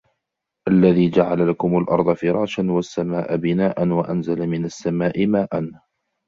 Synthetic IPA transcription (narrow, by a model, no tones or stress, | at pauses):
ʔalːaðiːd͡ʒaʕalalakʊmalʔɑ̰ɾˤd̪ˤɑfɪɾˤɑːʃanwasːamaːʔabɪnaːʔanwaʔanzalamɪnasːamaːʔɪmaːʔan